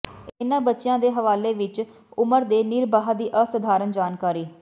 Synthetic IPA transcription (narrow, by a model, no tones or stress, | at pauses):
ɪnãːbətːʃɪjãːd̪eːɦəʋaːleːʋɪt͡ʃ | ʊməɾd̪eːniːɾbaːɦad̪iːʔəsəd̪ʱaːɾənd͡ʒaːnkaːɾiː